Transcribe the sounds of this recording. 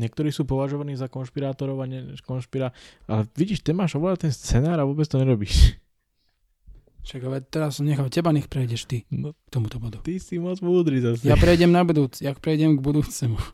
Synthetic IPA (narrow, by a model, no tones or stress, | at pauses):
ɲɪɛk̚t̪ɔɾiːsuːpɔʋaʒɔʋaniːzakɔnʃpiɾaːt̪ɔɾɔʊaɲɛʃkɔnʃpiɾaːʔa̰lɛʋiɟiːʃt̪ɛmaːʃɔʋlat̪ɛnst͡sɛnaːɾaʋʊɔːbɛt͡st̪ɔɲɛɾɔbiːʃ | ʃaɡalɛt̪ɛɾasɔmɲɛxaʊcɛbaɲɛxpɾɛjɟɛʃt̪inɔkt̪ɔmut̪ɔbɔd̪ut̪isimɔd͡zmuːd̪ɾizasɛjapɾɛjɟɛmnabud̪uːt͡sjaxpɾɛjɟɛmɡbud̪uːt͡sɛmu